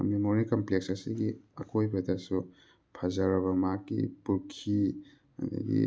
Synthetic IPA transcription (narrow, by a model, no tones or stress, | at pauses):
memoɾikɐmpleksɐsiɡiɐkʰojbɐdɐsu | pʰazɐɾɐβɐmakːḭpuɾkʰi | a̰da̰ɡḭ